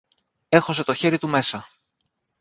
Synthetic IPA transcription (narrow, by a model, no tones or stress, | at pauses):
e̞xo̞se̞t̪o̞çe̞ɾit̪ume̞sɐ